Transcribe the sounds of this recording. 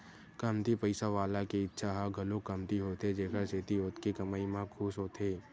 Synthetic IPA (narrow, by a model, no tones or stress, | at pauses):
kɐmt̪ipɐɪsaʋaːlakiɪtːʃʰaɦaɡʱɐlõkɐmt̪iɦoːt̪ed͡ʒeːkəɾseːt̪ioːt̪kikɐmaːimãkʰuːsɦoːt̪ʰeː